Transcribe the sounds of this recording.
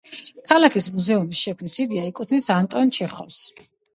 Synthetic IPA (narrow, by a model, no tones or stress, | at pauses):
kʰalakʰismuzɛunisʃɛkʰvmnisid̪iaikʼut̪ʰnisant̪ʼɔnt͡ʃʰɛχɔfs